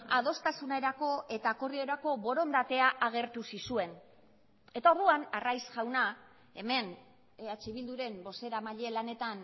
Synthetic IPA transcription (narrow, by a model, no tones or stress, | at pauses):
að̞o̞st̪asune̞ɾako̞e̞t̪akorio̞ɾako̞βo̞ɾo̞nd̪at̪e̞aʔaɣ̞e̞ɾt̪usisue̞n | e̞t̪ao̞ɾðuanarajsʝawna | e̞me̞n | at͡ʃiβild̪uɾe̞mbo̞se̞ɾamaʎe̞lane̞t̪an